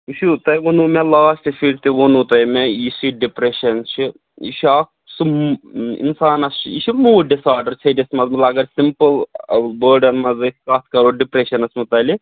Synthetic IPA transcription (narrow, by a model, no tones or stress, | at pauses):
uʃʰut̪ɐjʋonumelaːsʈifiɽt̪iʋonut̪ɐjmeisiɖipɾeʃɐnt͡ʃʰi | ḭʃaːk | sɨmḭnsaːnɐst͡ʃʰiʃʰimuːɖisaːɾɖɐɾt͡ʃʰɐdismɐzmɨlɐɡɐɾsimpɨlbəːɾɖɐnmɐzɨkkaːt̪̚ʰkɐɾoɖipɾeʃɐnɐsmut̪ɐli